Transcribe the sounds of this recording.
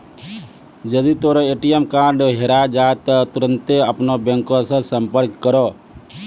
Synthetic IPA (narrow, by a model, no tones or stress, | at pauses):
d͡ʒəd̪it̪oːɾoeːʈijemkaːɾɖɦeɾad͡ʒaːet̪ɔt̪ʊɾə̃nt̪eəpnobɛ̃ŋkõsə̃sə̃mpəɾkːəɾo